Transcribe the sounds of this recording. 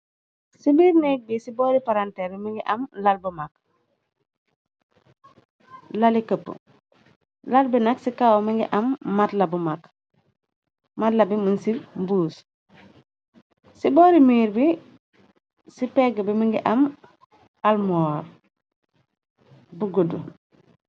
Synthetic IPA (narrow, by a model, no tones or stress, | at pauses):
sibiːɾnɛk̚bisiboːɾipaɾantebimiŋɡiʔɐmlalbumak̚ | lalikəpːə̰ | lalbinɐksikawmiŋɡḭʔɐmːatlɐbumak | matlabimunsimbuːs | siboːɾimiːɾbi | sipɛɡbimiŋɡiʔɐm | almoɾ | buɡodu